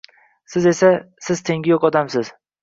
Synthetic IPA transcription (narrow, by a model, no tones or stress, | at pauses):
sɪze̞sa | sɪz̥t̪ʰe̞ŋɡʲɪjokɒd̪amsɪz̥